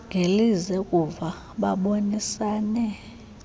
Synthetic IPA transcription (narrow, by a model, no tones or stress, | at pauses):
ŋɡʱelizɛkʼuva | ɓaɓonisaːnɛ